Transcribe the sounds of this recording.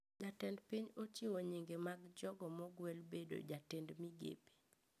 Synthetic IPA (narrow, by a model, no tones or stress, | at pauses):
d͡ʒatɛndpiɲot͡ʃiwoɲiŋɡemaɡd͡ʒɔɡɔmɔɡwɛlbedo̰d͡ʒatɛndmiɡḛpe̥